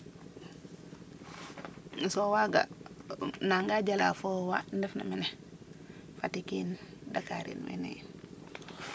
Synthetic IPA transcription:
sɔwaɡa̰ | naŋɡaɟala̰fɔwandɛfna̰minɛ | fatikindakaɾḭnmḭnḛj

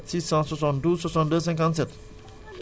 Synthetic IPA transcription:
tsisãsɔs̬ɔ̃ndusɔsɔ̃ndəs̬ɛ̃ŋkãns̬ɛt̪̚

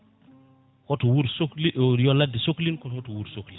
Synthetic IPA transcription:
kɔtɔwuɾsokliʔjɔlːadisoklinkɔhɔtɔwuɾsokli

